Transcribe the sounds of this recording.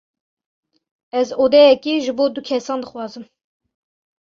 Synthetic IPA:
ɛzoːd̪ɛjɛkiːʒɨboːd̪ukʲʰɛsɑːnd̪ɨxwɑːzɨm

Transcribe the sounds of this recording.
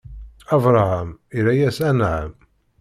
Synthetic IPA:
ɑvɾˤɑhæmiɾæjæsænʕə̰m

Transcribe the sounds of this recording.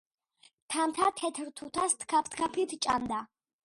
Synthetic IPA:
t̪ʰamt̪ʰat̪ʰɛt̪ʰɾt̪ʰut̪ʰast̪ʰkʰapʰt̪ʰkʰapʰlit̪ʰt͡ʃʼa̰nd̪a

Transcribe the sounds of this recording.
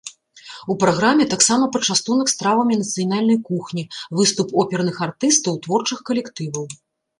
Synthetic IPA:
upɾaɣɾamʲɛt̪aksamɐpɐt͡ʂast̪unɐkst̪ɾavɐmʲinɐt̪sɨjanalʲnɐjkuxnʲivɨst̪upɔpʲɛɾnɨxart̪ɨst̪ɐwt̪vɔrt͡ʂɨxkɐlʲɛkt̪ɨvɐw

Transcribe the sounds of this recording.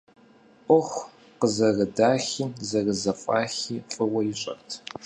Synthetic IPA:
ʔʷʼɔχʷ | qəzɐrɨdaːxiːzɐrɨzɐfʼa̰ːxiːfʼɨwɐjɪɕʼɐ̰rtʰ

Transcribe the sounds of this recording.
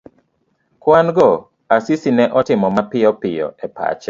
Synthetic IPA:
kwanɡɔ | asisinɛʔɔtɪmɔmapɪɔpɪjɔ̰ɛpa̰t͡ʃɛ

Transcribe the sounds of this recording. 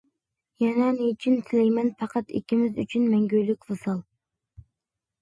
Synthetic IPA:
jɛnɛnet͡ʃʰynt̪ʰɪlɛjmɛnpɑqʰɑt̪ɪ̰kʲʰːimɪzy̰t͡ʃʰynmɛŋɡʲøjlɪkʲvɨsɑlˠ

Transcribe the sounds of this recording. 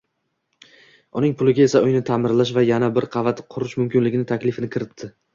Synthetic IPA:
ʊnɪŋpʰʊlˠɪɡʲae̞saʊjnɪt̪ʰamɪɾlaʃ̬vajanabɪɾqʰɑvat̪ʰɪqʰʊɾɪʃmʊmkʲɪnlɪɡʲɪnɪt̪ʰakʲlɪfɪnɪkʰʲɪɾɪt̪ʰːɪ

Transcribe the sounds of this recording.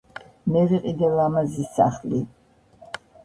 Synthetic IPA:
mɛɾiqʼid̪ɛlamazisːa̰χli

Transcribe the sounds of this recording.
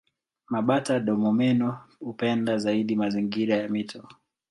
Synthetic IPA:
maɓataɗɔmɔmɛnɔhupɛndazaiɗimaziŋɡiɾajamitʰɔ

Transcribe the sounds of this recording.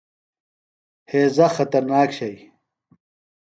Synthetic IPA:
heːzɐxɐt̪ɐɾnaːkɕɐj

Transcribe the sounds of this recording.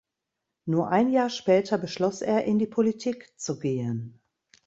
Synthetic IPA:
nuːɐʔaɪnjaːɐʃpɛːtʰɐbəʃlɔsʔeːɐʔɪndiːpʰolitʰiːkt͡suɡeːən

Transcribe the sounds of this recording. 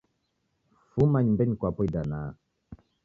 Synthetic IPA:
fumaɲmbeɲkwapojdana

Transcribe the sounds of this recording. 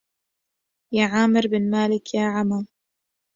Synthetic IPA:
jaːʕaːmɪɾbɪnmaːlɪkjaːʕama

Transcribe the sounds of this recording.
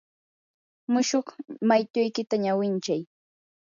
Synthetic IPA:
mʊʃoχmajt̪ʊjkɪt̪aɲawɪnt͡ʃaj

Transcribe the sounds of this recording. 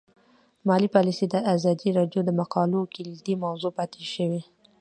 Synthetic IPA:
mɑlipɑlised̪əazɑd̪iɾɑɖjod̪əmaqɑlokilid̪imawzopɑt̪ʰeʃəwe

